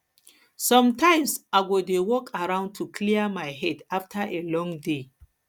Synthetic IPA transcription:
sɔ̃mtʰãɪ̃msaɡodewɔkʰaɹãʊ̃ntʰukʰliamaɪɦɛdaftʰaʔelɔ̃ŋde

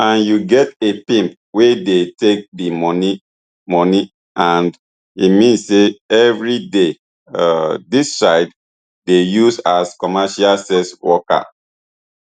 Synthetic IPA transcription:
ãnjuɡɛtepĩmp̚ | wedetek̚dimɔni | mɔni | ãnd | itmĩnsseɛvɹide | dissaɪd | dejusaskɔmɛʃasɛswɔka̰

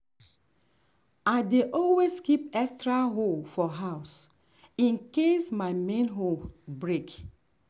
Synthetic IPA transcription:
aɪdeʔɔlweskipɛkstɹaɦolfɔɦaʊs | ĩnkesmaɪmẽnɦolbɹek

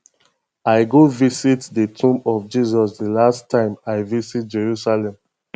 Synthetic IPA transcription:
aɪɡovisitdətʰũmɔfd͡ʒizɔsdəlastʰːãɪ̃maɪvisit̚d͡ʒɛɹusalɛ̃m

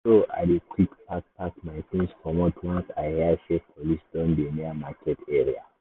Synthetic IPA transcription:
soʔa̰dekʰwikpʰak̚pʰakmãɪtĩnsfɔmɔtʰwãnsaɪhɛaʃɛpʰɔlisdɔ̃ndeniamakʰɛtʰɛɹia̰

